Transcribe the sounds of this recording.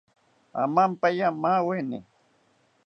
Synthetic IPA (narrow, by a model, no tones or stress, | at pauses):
a̰mampajamaːwenɪ̰